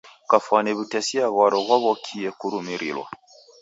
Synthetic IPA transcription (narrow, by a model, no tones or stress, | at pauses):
kafanɛβutɛsiaɣaɾɔɣɔβɔkʰiɛkuɾumiɾḭlwa̰